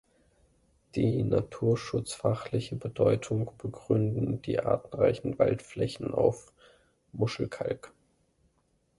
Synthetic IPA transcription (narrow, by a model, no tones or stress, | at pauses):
d̥iːnatʰuːɐʃʊt͡sfaχlɪçəbədɔʏtʰʊŋb̥əɡʁʏndn̩d̥ḭːʔa̰ːtn̩ʁa̰ɪçn̩va̰ltflɛçn̩a̰ʊf | mʊʃl̩kʰa̰lk